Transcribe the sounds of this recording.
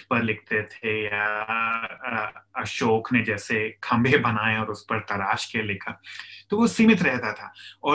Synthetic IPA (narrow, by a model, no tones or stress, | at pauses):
pɐɾlɪk̚ʰt̪et̪ʰeja | ɐʃoːkned͡ʒɛːsekʰɐ̃mbʱebɐnaːeɔːɾʊspɐɾt̪ɐɾaːʃkelɪkʰaːt̪oʋosimɪt̪ɾɛɦt̪at̪ʰaːɔː